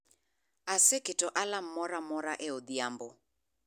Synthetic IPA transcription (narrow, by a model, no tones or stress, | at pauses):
asekɪtɔʔalam̩mɔɾamɔɾaʔeoðiambo